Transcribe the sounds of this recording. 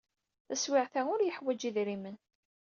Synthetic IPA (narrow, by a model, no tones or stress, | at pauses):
θæswɪʕθæʊɾjəħwæd͡ʒiðɾimən